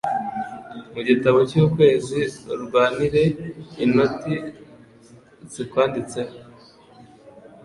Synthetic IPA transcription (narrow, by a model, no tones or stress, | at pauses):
muɟitaβo̞cuːkwe̞ːziɾuɡwaːniɾe̞ːno̞ti | zikwaːndit͡se̞ho